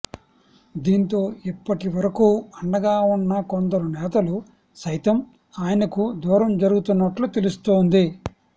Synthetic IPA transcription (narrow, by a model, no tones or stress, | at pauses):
d̪iːnt̪o̞ːipːɐʈiʋɐɾɐkuːɐɳɖɐɡaːunːɐkɔnd̪ɐɾunɛːt̪ɐlu | sɐjt̪ɐm | aːjɐnɐkud̪uːɾɐmd͡ʒɐɾuɡut̪unːɐʈlut̪e̞lust̪oːnd̪i